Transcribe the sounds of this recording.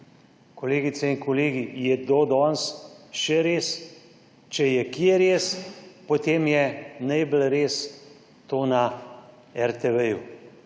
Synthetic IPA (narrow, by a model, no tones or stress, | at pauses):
koleːɡit̪sɛinkoleːɡijɛd̪oːd̪ɔnsʃɛɾeːs | t͡ʃɛjɛkiɛɾeːspot̪eːmjɛnɛjbəlɾeːs | t̪oːna | ɛɾt̪ɛʋɛju